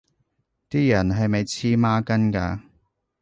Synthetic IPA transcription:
t̪iː˥jɐ˨˩nɦɐ˨jmɐ˨jt͡sʰiː˧˥maː˥kɐ˥nkaː˧

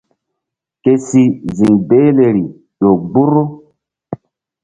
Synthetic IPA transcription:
ke˨si˦zi˨ŋbe˦le˨ɾi˨ | ɗo˨ɡ͡bu˦ɾu˦

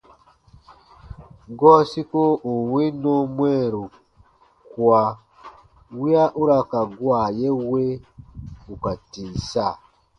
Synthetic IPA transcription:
ɡɔ˦si˦ko˦u˨wi˦no˦mwe˦˨ɾu˨ | kwa˨ | wi˦a˦ʔu˦ɾa˦˨ka˨ɡwa˦˨je˦we˦ | u˨ka˨tiː˨sa˦˨

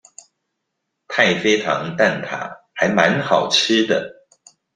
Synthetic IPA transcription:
t̪ʰa˥˨˩ɪfe˥ɪtʰɑ̰˧˦ŋt̪a˥˩nt̪ʰa̰˨˩˦ha˨˥ɪma˧˦nxɑ˨˩ʊʈ͡ʂ̩ʰ˥d̪ə˨

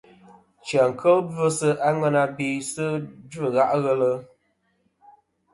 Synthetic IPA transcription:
t͡ʃa˨ŋ̩˨kʰə˦lb͡və˦sə˦ʔa˦ŋa˦na˧bi˨sə˦d͡ʒə˦˨ɣa˦ʔɣə˦lə˦

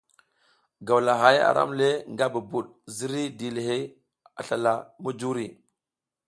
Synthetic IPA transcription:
ɡa˨wla˨ɦa˨˦ja̰˨ɾʔa̰˦mle˦ŋɡa˦bu˨bu˨ɗ̚ | zi˦ɾi˦di˨le˨ɦe˦j | a̰˨ɬa˨la˨mu˦d͡ʒu˦ɾi˨

